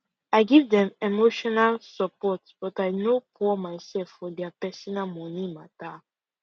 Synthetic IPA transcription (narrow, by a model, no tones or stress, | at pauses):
aɪɡivdɛ̃memoʃɔnalsɔpɔtb̥ɔtaɪnopʰɔmaɪsɛlfːɔdɛapɛsɔnamɔnimata